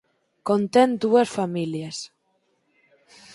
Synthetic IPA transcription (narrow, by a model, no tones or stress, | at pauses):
kont̪end̪uasfamiljas